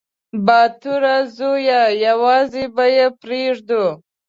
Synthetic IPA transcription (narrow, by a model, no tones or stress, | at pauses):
bɑt̪uɾazojajawɑzebajepɾeʐd̪u